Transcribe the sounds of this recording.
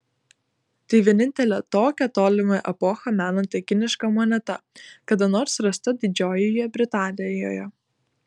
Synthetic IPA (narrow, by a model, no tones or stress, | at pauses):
t̪ɐɪʋʲiɛnʲɪnʲt̪ʲɛlʲɛt̪oːkʲɛt̪oːlʲɪmɐʔɛpɔxɐmʲæːnɐnt̪ʲɛkʲɪnʲɪʃkɐmɔnʲɛt̪ɐkɐd̪ɐnoːɾsɾɐst̪ɐd̪ʲɪd͡ʒʲoːjɛjɛbʲɾʲɪt̪ɑːnʲɪjo̰ːjɛ